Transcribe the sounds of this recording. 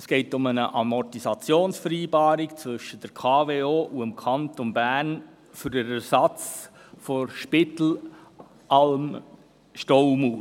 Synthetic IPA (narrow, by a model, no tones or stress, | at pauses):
əsɡ̥ɛɪtʊmənəʔɑmɔtisɑt͡sjoːnsfəɾiːbɑːɾikt͡svɵʃəd̥əɾkʰɑːveːoːʔuəmkʰɑntonbæːɾn | fʏɾdəɾæɾsɑt͡s | foʃpɪt̪l̩ | ʔɑlm | ʃtowmuː